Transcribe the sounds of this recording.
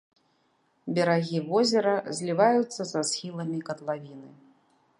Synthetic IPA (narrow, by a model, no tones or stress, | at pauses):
bʲɐɾaɣʲivɔzʲɛɾɐzʲlʲivajut̪sːɐzasxʲilˠɐmʲikɐd̪lˠavʲinɨ